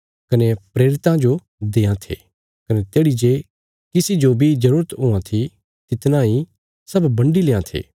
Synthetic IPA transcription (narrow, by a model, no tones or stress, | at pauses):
kɐnepɾeːɾɪt̪ãd͡ʒo | d̪eːãt̪ʰḛː | kɐnet̪eːɽid͡ʒe | kɪsid͡ʒobʱid͡ʒɐɾuːɾət̪ɦʊːãt̪ʰi | t̪ɪt̪nãːĩ | sɐbːɐ̃ɳɖileːãt̪ʰḛː